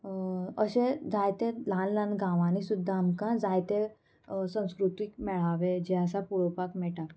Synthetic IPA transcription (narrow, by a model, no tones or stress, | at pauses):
əɕẽd͡zajt̪elãnlãnɡãʋãnisud̪ʱːaːmkãd͡zajt̪e | sə̃w̃skɾut̪ʋikmɛɭ̤aʋed͡ʑeəsapuɭopakmɛʈa